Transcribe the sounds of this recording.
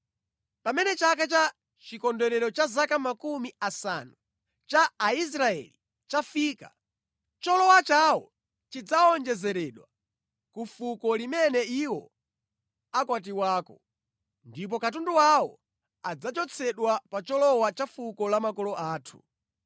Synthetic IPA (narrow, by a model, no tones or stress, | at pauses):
pamɛnɛt͡ʃakat͡ʃa | t͡ʃikɔndɛɾɛɾɔt͡ʃazakamakumiasa̰nu | t͡ʃaːis̬ɾaɛ̰li | t͡ʃafiːka̰ | t͡ʃɔlɔwat͡ʃawɔ̰ | t͡ʃid͡zaɔnd͡ʒɛzɛɾɛɗwa | kufukɔlimɛnɛiwɔ | akwat̬iwaːkɔ | ndip̬ɔkat̬unduwawɔ̰ | ad͡zat͡ʃɔt͡sʰɛɗwapat͡ʃɔlɔwat͡ʃafukɔlamakɔlɔʔaːtʰu